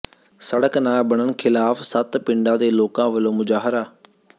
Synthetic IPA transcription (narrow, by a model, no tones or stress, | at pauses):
səɽəknaːbəɳənkʰɪlaːpʰsət̪pɪɳɖãːd̪eːloːkãːʋəlõːmʊd͡ʒaːɦɾaː